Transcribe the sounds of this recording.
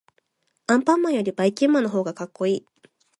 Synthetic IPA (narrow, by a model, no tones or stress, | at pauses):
ãmpãmːãɰ̃jo̞ɾʲibaikʲĩmːãnoɦo̞ːɡakakːo̞iː